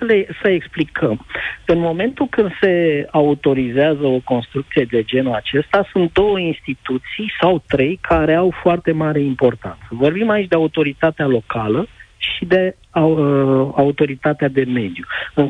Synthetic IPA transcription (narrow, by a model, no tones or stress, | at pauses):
lesəeksplikʰəmɨnmo̞me̞nt̪ulkɨnd̪se̞aut̪o̞ɾizeazəo̞ko̞nst̪ɾukt̪sije̞d̪e̞d͡ʒe̞nuat͡ʃe̞st̪asunt̪̚d̪o̞wəinst̪it̪ut̪sijsawt̪ɾe̞jkʰaɾe̞awfoart̪e̞maɾe̞impo̞rt̪a̰nt̪səvo̞rbimait͡ʃʲd̪eaut̪o̞ɾit̪at̪ealo̞kaləʃid̪e̞ | aut̪o̞ɾit̪at̪ead̪e̞me̞d̪juɨŋ